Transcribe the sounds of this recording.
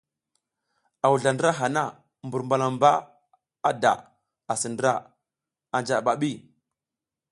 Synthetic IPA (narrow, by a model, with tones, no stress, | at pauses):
a˨wu˨ɮa˨ndɾa˦ɦa˨na˦˨ | mbu˨ɾmba˨la˨mba˦ | a˦da̰˨ | a˨sə˨ndə˦ɾa˦˨ | a˨nd͡ʒa˨ɓa˨ɓi˦˨